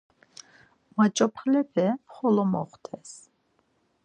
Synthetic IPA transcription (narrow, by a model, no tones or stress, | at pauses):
mat͡ʃʼɔpʰχlɛpʰɛχɔlɔmɔ̰χt̪ʰɛs